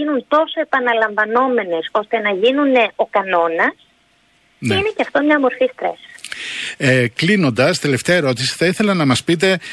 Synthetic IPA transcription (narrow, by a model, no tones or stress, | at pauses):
inunt̪o̞soe̞pɐnɐlɐɱvɐno̞me̞ne̞so̞st̪e̞nɐʝinune̞o̞kɐno̞nɐs | nine̞ceɐft̪omɲɐmo̞ɾfist̪ɾḛs | eklino̞nd̪ɐst̪e̞le̞ft̪eɐeɾo̞t̪̬isi̥θɐiθe̞lɐnɐmɐspit̪̬e̞